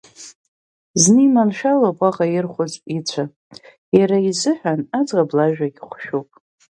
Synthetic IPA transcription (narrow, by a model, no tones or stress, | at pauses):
znɨimanʃalopʼaʁajɪrχʷʊzʼit͡sʷʰa | jaɾaizɨħʷᶣanad͡zʁablaʒᶣaɡʲχʷʃᶣopʼ